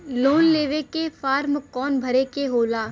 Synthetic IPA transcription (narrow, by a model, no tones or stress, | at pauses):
loːnleːʋekefaːɾmkɔːnbʱɐɾekeɦoːlaː